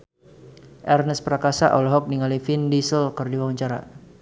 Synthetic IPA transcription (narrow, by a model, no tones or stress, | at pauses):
ʔɛrnəspəɾakasa̰ʔɔlɔɦɔk̚niŋalifindisəlkərdiwawaɲt͡ʃaɾa̰